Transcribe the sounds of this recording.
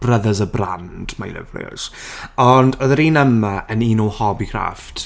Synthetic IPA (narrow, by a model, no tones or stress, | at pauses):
b̥rəðəzəbra̰nd̥majlɪ̰vlɪ̰z̥ɔndəðəɾiːnəmaʔəniːnɔwhɔbikʰra̰ft